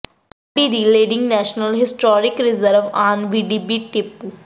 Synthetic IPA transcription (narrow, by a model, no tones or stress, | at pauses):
bid̪ileːɖɪ̃ŋɡnɛːʃnəlɦɪsʈɔːɾɪkɾɪzəɾʋaːnʋiːɖibiʈɪpːu